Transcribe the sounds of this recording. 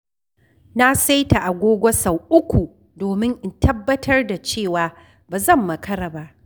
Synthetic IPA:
na˦sa˦jta˨ʔa˨ɡʷoː˦ɡʷɐ˦sa˨wʔʊ˦kʷu˨ | doː˨mɪ˦ŋʔɪ˦˨ntʰɐ˦bːɐ˦tʰɐ˦rda˨t͡ʃeː˦˨waː˨ | baː˨zɐ˦˨mːɐ˨kɐ˦ɽaː˨ba˦ʔ

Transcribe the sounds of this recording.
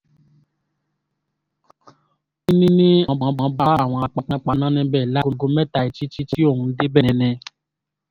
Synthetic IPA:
ĩ˦nĩ˦nĩ˦ɔ̃˨˧˨ɡ͡bã˨˦ɡ͡bã˨˦ba˦a˦˨w̃ɔ̃˧a˧k͡pa˨˧k͡pã˦k͡pa˧nã˦nɛ̃˧˦bɛ˦˨la˦ko˧˦ɡo˧˦mɛ˦˨ta˧i˨t͡ʃi˦t͡ʃi˦ti˦o˦˨hũ˧˦de˦bɛ˦˨nɛ̃˧˦nɛ̃˧

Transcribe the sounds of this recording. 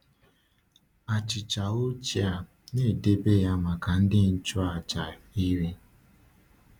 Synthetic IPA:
a˨t͡ʃɪ˨t͡ʃa˨o˦t͡ʃi˦a˨ | ne˦˨de˦be˦ja˦ma˨ka˨n̩˦dɪ˦n̩˦t͡ʃʊ˦a˨t͡ʃa˨i˦ɾi˦

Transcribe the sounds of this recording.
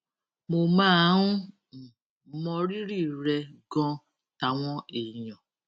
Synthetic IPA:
mo˧mãː˦ũ˦˨ | mɔ̃˧ɾi˦ɾi˦˨ɾɛ˧ɡɔ̃˧ | ta˨˦w̃ɔ̃˦e˨i˨j̃ɔ̃˨

